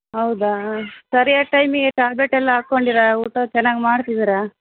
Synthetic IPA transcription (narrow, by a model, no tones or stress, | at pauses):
ɦɐwd̪asɐɾijaʈɐjmiɡeʈaːbeʈɛlːɐaːkːoɳɖiɾɐuːʈot͡ʃɛnːaːɡmaːɽt̪id̪iɾa